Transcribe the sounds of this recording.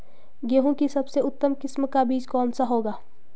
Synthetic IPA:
ɡeːɦõkisɐbseʊt̪ːəmkɪsmkabiːd͡ʒkɔːnsaɦoːɡaː

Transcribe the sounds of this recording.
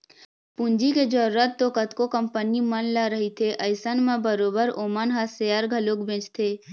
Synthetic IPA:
pund͡ʒiked͡ʒəːət̪t̪okət̪kokəmpənimənlaɾəɦit̪ʰeʔəjsənmãbəɾoːbəɾoːmənɦasejəɾɡʱəlokbẽːt͡ʃt̪ʰeː

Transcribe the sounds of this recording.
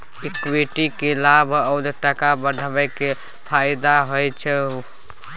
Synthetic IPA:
ekbeʈikelabʱəwd̪ʈəkabəɖʱəbəjke | pʰajd̪aɦojt͡ʃʰɛu

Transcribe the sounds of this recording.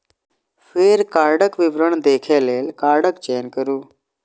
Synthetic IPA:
feːɾkaɾɖəkʋiʋɾəɳd̪ekʰelelkaɾɽəkt͡ɕenkəɾuː

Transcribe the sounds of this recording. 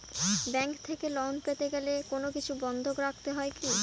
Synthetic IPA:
bɛŋkt̪ʰekelɔɦnpet̪eɡelekonokit͡ɕʰubɔnd̪ʱokɾak̚t̪eɦɔeki

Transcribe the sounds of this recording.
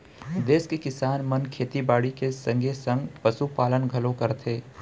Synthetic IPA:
d̪eːskekɪsaːnmɐnkʰeːt̪ibaːɽikesɐ̃ŋɡʱesə̃ŋɡpɐsupaːlənɡʱɐlõkɐɾt̪ʰeː

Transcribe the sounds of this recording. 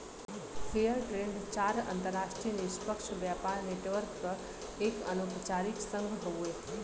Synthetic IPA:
pʰejəɾʈɾẽɳɖt͡ʃaːɾə̰nt̪əɾːaʃʈɾijənespəkʃbjapaɾneʈʋəɾkpə | ekənopt͡ʃaɾiksə̃ŋɡʱɦoue

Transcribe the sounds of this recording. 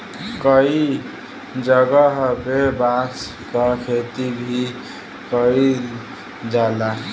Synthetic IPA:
kʌi | d͡ʒʌɡʌɦʌbebas | kʌkʰet̪ibʱi | kʌi | d͡ʒala

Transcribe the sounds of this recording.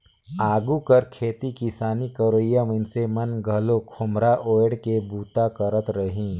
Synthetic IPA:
aːɡukəɾkʰeːt̪ikɪsaːnikəɾoɪjamə̃nsemɐnɡʱɐlokʰʊmɾaʔoːɽkebuːt̪akəɾət̪ɾəɦĩː

